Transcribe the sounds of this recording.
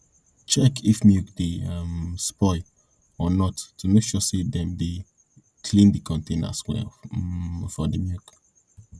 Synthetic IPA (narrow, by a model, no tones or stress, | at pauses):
t͡ʃɛkʰifmjukdeamspɔɪ | ɔnɔtːumekʃɔsedɛ̃mde | kʰlĩndikʰɔ̃ntʰẽna̰swɛ̰ | fɔdemjuk